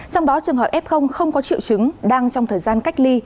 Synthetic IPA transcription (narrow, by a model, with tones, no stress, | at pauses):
t͡ɕɔ˧wŋ͡mɗɔ˨˦t͡ɕɨ˨˩əŋɦəː˨˩p̚ʔɛ˦˥p̚xə˧wŋ͡mxə˧wŋ͡mkɔ˨˦t͡ɕḭ˧˨wt͡ɕɨ˨˦ŋɗaː˧ŋt͡ɕɔ˧wŋ͡mt̪ʰəː˨˩jzaː˧nka˦˥k̚li˧